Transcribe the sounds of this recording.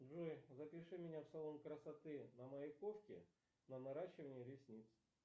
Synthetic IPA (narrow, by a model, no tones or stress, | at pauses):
dʐujzəpʲɪʂɨmʲɪnʲafsɐlˠomkɾəsɐt̪ɨnəməjɪkofkʲɪ | nənɐɾaɕːɪvənʲɪəlʲɪsʲnʲit̪s